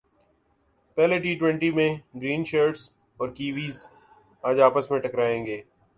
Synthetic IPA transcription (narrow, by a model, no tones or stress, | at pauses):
pɛɦleʈiːʈwɛ̃ɳʈimẽɡɾiːnʃəːɾʈs | ɔːɾkiːʋiːz | aːd͡ʒaːpəsmẽʈɐkɾaːẽːŋɡeː